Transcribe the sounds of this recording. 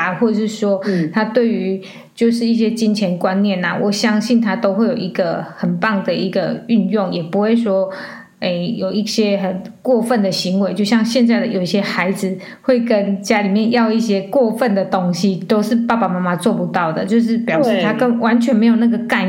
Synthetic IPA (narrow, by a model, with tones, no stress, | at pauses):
xwɔ˥˧ə˨˩ʂɻ̩˥˩ʂwɔ˥t̪ʰa˥t̪we˥˩ɪy˧˦ | t͡ɕjo˥˧ʊʂɻ̩˥˧i˥˩ɕ̬jɛ˦t͡ɕi˦nt͡ɕʰjɛ˧˥nkwa˦nːjɛ˥˨˩na˩wɔ˨˩ɕjɑ˦ŋɕi˥˩nt̪ʰa˦t̪o˥ʊxwe˥˩ɪjo˨˩ʊi˧˥ɡə˨hə˨˩npɑ˥˩ŋd̪ə˩i˧˥ɡə˨y˥˧njʊ˥˩ŋjɛ˨˩pu˧˦xwe˥˩ɪswɔ˥ | e˥˩ɪjo˨˩ʊi˥˩ɕjɛ˦xə˨˩nkwɔ˥˧fə˥˨nd̪ə˩ɕi˧˥ŋwe˧˥ɪt͡ɕjo˥˧ʊɕjɑ˥˧ŋɕjɛ˥˧nt͡sa˥˩ɪd̪ə˨˩jo˨˩ʊi˥˩ɕjɛ˦˥xa˧˦ɪd͡zɹ̩˨ | xwe˥˩ɪkə˦nt͡ɕja˦˥li˨˩mjɛ˥˧njɑ˥˧ʊi˥˩ɕ̬jɛ˥kwɔ˥˧fə˥˨nd̪ə˩t̪o˦˥ŋɕi˦t̪o˥ʊʂɻ̩˥˧pa˥˩pa˨ma˥ma˧t͡swɔ˥˩pu˨˦t̪ɑ˥˩ʊd̪ə˨˩t͡ɕjo˥˧ʊʂ̬ɻ̩˥˩pjɑ˨˩ʊʂɻ̩˥˩t̪ʰa˥kə˥˧ŋwa˧˦nt͡ɕʰɥɛ˧˦nme˧˥ɪjo˨˩na˥˩ɡə˩ka˥˧n